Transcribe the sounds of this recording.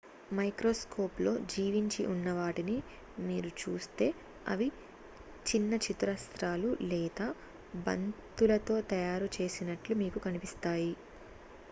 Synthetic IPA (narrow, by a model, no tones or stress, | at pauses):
mɐjkɾo̞ːsko̞ːplo̞̰ːd͡ʒiːʋiɲt͡ʃiʔunːɐʋaːʈini | miːɾut͡ʃuːst̪e̞ː | ɐ̰ʋi | t͡ʃinːɐt͡ʃit̪ɾɐst̪ɾaːlulɛːd̪aː | bɐ̰nt̪ulɐt̪o̞ːt̪ɐjaːɾut͡ʃe̞ːsinɐʈlumiːkukɐnipist̪aːji